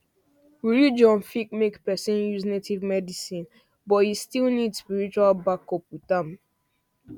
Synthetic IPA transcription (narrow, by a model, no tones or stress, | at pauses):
wiɹid͡ʒɔ̃nfik̚mekpɛsĩnjuznetivmɛdisĩn | bɔthistilnidspiɹit͡ʃualbakɔpwitãm